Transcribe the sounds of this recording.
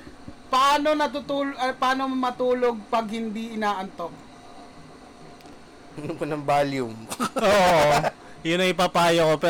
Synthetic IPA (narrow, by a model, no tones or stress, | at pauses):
pɐaːnonɐt̪ʊt̪uːlɐpaːnomɐt̪uːloɡ̚pɐɡ̚hɪnd̪iʔɪnaːʔɐnt̪ok̚ | unʊŋkonɐŋbaːljʊmʔoːʔoʔ | jʊnɐŋɪpaːpaːjokopɛ